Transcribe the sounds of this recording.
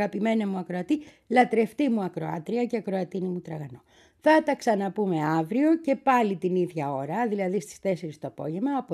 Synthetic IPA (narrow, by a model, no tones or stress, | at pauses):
ɣɐpime̞nɐmuɐkɾoɐt̪i | lɐt̪ɾe̞ft̪imuɐkɾo̞ɐ̰t̪ɾiɐceɐkɾo̞ɐt̪inimut̪ɾɐɣɐno̞ | θɐt̪ɐksɐnɐpume̞ɐvɾio̞ce̞pɐlit̪iniðʝɐo̞ɾɐðilɐðist̪i̥st̪e̞se̞ɾist̪oɐpo̞ʝe̞mɐːp